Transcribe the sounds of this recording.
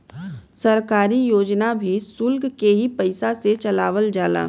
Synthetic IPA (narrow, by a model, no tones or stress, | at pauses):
sɐɾkaːɾijoːd͡ʒnabʱisʊlɡkeɦipɐɪsaset͡ʃɐlaːʋəld͡ʒaːla̰ː